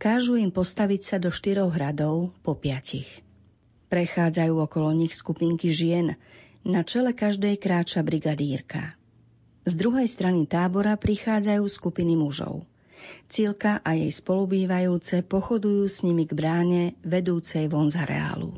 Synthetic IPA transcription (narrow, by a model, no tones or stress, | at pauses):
kaːʒuimpɔst̪aʋicsad̪ɔʃt̪iɾɔɣɦɾad̪ɔʊpɔpɪacix | pɾɛxaːd͡zajuːɔkɔlɔɲixskupiːŋkiʒɪɛnː | at͡ʃɛlɛkaʒd̪ɛjkɾaːt͡ʃabɾiɡad̪iːɾka̰ | zd̪ɾuɦɛjst̪ɾanit̪aːbɔɾapɾixaːd͡zajuːskupinimuʒɔ̰ʊ | t͡silkaʔajɛjspɔlubiːʋajuːt͡sɛpɔxɔd̪ujuːsɲimiɡbɾaːɲɛʋɛd̪uːt͡sɛjʋɔnzaɾɛ̰a̰ːlṵ